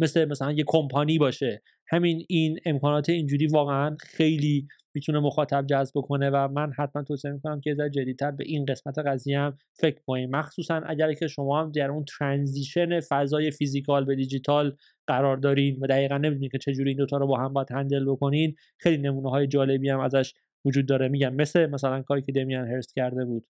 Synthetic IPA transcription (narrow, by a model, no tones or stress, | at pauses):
meslemæsælænjekʰompʰɒniːbɒːʃe̞ | hæminine̞mkʰɒːnɒːt̪ʰeind͡ʒuːɾiːvɒːɣeænxejliː | miːt̪ʰune̞moxɒːt̪ʰæb̚d͡ʒæzbbo̞kʰo̞ne̞væmænhæt̪̚ʰmænt̪ʰoːsimikʰo̞næmcʲʰeezæɾed͡ʒed̪ːiːt̪ʰæɾbe̞ʔinɢe̞smæt̪ʰe̞ɣæzijeæm | fe̞cʰkonimmæxsuːsænʔæ̰ɟæɾcʰe̞ʃo̞mɒːhæmd̪æɾunt̪ʰɾænziːʃe̞ne̞fæzɒːje̞fizikʰɒlbe̞d̪id͡ʒit̪ʰɒl | ɢ̥æɾɒːɾd̪ɒːɾinvæd̪æɣiːɣænːe̞mid̪unimcʰe̞t͡ʃʰe̞d͡ʒuːɾiːnd̪ot̪ʰɒɾɔbɒːɦæmbjæd̪hænd̪e̞lbo̞ko̞nin | xejline̞muːneɦɒːje̞d͡ʒɒːle̞biːhæmæzæʃ | vod͡ʒuːd̪̚ːɒːɾemiːɟæmːe̞slemæsælænkʰɒːɾiːcʰe̞d̪emienɦeɾscʰæɾd̪e̞buːd̪̥